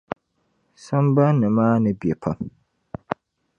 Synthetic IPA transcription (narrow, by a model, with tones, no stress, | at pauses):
sa˦mba˦nnɨ˨maː˦nɪ̃˦bi˨e˨pʰa˦m